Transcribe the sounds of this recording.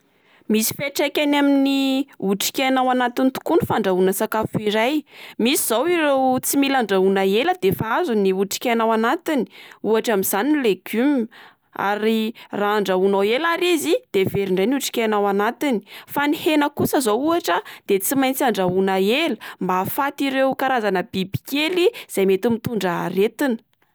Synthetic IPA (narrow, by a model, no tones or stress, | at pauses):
misi̥feʈ͡ʂekʲanaminiuʈ͡ʂi̥kʲenawanat̪int̪u̥kunifaɳɖ͡ʐaunəsakafuiɾajmisiz̥awiɾewt͡similaɳɖ͡ʐaunaeləd̪efaazuniuʈ͡ʂi̥kʲenawanat̪ini̥uaʈ͡ʂamiz̥aninleɡ̥um | a̰ɾiraaɳɖ͡ʐaunawelaɾizid̪̥eveɾiɳɖ͡ʐajniuʈ͡ʂi̥kʲenawanat̪ini̥fanihenəkusəzowuaʈ͡ʂəd̪̥et͡simajnt͡siaɳɖ͡ʐaunaeləmbafat̪iɾewkaɾazanəbibi̥kʲeliz̥ajmet̪imit̪uɳɖ͡ʐəret̪inə̥